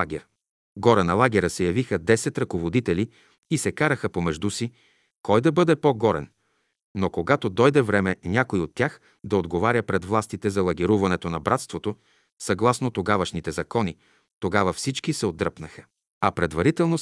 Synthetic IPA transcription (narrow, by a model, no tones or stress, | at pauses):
aɡʲɛɾ | ɡɔɾənɐlˠaɡʲɛɾəsɛjɐvixəd̪ɛsɛt̪ɾɐkovod̪it̪ɛli | isɛkaɾəxəpomɛʒd̪usi | kɔjd̪ɐbɤd̪ɛpoɡɔɾɛ̰n | nokoɡat̪od̪ɔjd̪ɛvɾɛmɛnʲakoiot̪ʲːax | d̪ɐod̪ɡovaɾʲjəpɾɛd̪vlˠast̪it̪ɛzɐlˠɐɡʲiɾuvɐnɛt̪onɐbɾat̪st̪vot̪o | sɐɡlˠasnot̪oɡavɐʃnit̪ɛzɐkɔni | t̪oɡavɐfsit͡ʃkisɛod̪ɾəpnəxə̥ | ɐpɾɛd̪vɐɾit̪ɛlˠno